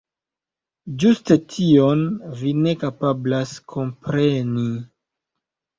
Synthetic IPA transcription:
d͡ʒustetʰio̞nvine̞kapablaskʰo̞mpɾe̞ni

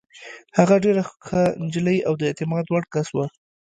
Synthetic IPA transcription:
haɣaɖeɾaxand͡ʒləjawd̪əɪt̪ɪmɑd̪waɽkaswa

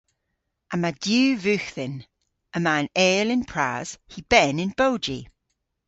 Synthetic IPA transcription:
ʔəmadjʉːvʉˑxθɪ̃n | əmãnɛːlɪ̃npʰɹ̥a̰z̥hib̥ɛnɪ̃nb̥oʊd͡ʒḭ

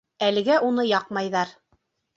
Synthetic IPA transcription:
ælɘ̆ɡæʔunɤjɑqmɑjðɑɾ

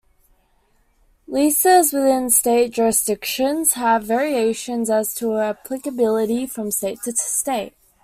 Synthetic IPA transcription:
lisəzwɨðɪ̃nsteɪt̚d̥ʒ̥ɔɹɨsd̥ɪkʃə̃nz̥əvɛɹieɪʃə̃nzəz̥tʰəæpʰl̥ɨkəbɪlˠəɾifɹə̃msteɪtʰɨtʰsteɪt̚

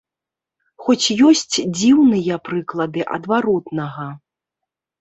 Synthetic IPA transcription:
xɔt͡sʲjɔsʲt͡sʲd͡zʲiwnɨjɐpɾɨklˠɐd̪ɨʔɐ̰d̪vaɾɔt̪nɐɣɐ

